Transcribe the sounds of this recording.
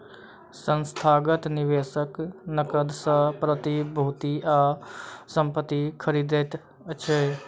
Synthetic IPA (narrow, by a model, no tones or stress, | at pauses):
sə̃nst̪ʰaːɡət̪nɪʋeːsəknəkəd̪səpɾət̪ibʱuːt̪iaːsə̃mpət̪ːikʰəɾiːd̪et̪ | ət͡ʃʰe